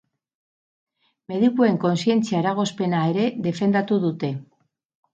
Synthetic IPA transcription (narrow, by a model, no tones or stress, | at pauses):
me̞ðikue̞ŋko̞nsie̞nt͡siaeɾaɣ̞o̞spe̞nae̞ɾe̞ðe̞fe̞nd̪at̪uðut̪e̞